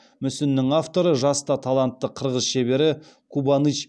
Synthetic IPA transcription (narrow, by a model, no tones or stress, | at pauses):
mʏsɪnːɪŋaft̪o̞ɾəʒɑst̪ɑt̪ʰɑlˠant̪ːəqʰəɾʁəzʃe̞be̞ɾɪ | kʰubɑnit͡ʃ